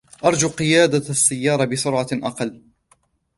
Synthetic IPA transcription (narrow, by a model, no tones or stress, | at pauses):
ʔɑɾˤd͡ʒuːqɨjaːd̪asːajːɑːɾˤɑbɪsʊɾʕɑʔɑqɑlː